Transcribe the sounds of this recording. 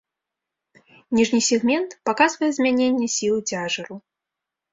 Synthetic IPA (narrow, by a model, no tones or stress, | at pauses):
nʲiʐnʲisʲɛɣmʲɛnt̪pakazvɐjɛzʲmʲanʲenʲːɛsʲilˠd͡zʲaʐɐɾu